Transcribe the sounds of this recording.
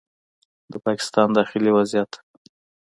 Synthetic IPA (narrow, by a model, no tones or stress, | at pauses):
d̪əpɑkɪ̥st̪ɑnd̪ɑxɪliwazijat̪